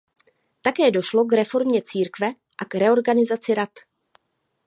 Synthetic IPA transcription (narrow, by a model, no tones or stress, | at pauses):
t̪akɛːdo̞ʃlo̞kɾɛfo̞ɾmɲɛt͡siːɾkvɛ | ʔakɾɛo̞ɾɡanɪzat͡sɪɾat̪